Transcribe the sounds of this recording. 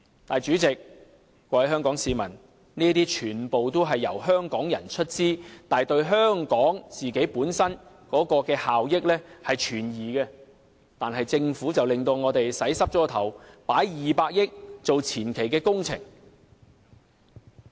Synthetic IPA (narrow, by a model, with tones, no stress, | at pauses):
t̪aː˨jt͡ʃyː˨˥t͡sɪ˨k̚ | kːɔː˧ɐ˨˥ɦœː˥ŋkɔː˨˥ŋsiː˨˧mɐ˨˩n | niː˥t̪iː˥t͡ʃʰyː˨˩npo˨wt̪o˥wɦɐ˨jːɐ̰˨˩wɦœː˥ŋkɔː˨˥ŋjɐ̰˨˩nt͡ʃʰɵ˥t̚t͡siː˥t̪aː˨jt̪ɵ˧ɥɦœː˥ŋkɔː˨˥ŋt͡siː˨ke˨˥jpuː˨˥nsɐ˥n | kɔː˨˥kɔː˧kɛː˧haː˨wjɪ˥k̚lɛː˥hɐ˨jt͡ʃʰyː˨˩njiː˨kɛ˧ | t̪aː˨nhɐ˨jt͡sɪ˧ŋfuː˨˥t͡sɐ˨wlɪ˨ŋt̪o˧wŋɔː˨˧t̪e˨jsɐ˨˥jsɐ˥p̚t͡ʃɔː˥t̪ʰɐ̰˨˩wpa̰ː˨˥jjiː˨paː˧k̚jɪ˥k̚t͡so˨wt͡sʰiː˨˩nkʰe˨˩jkɛː˧kʊ˥ŋt͡sʰɪ̰˨˩ŋ